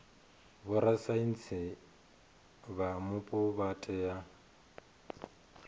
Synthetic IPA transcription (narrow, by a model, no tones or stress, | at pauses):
βʊɾasain̩t͡sʰɪ | βamʊpʼʊβatʼɛja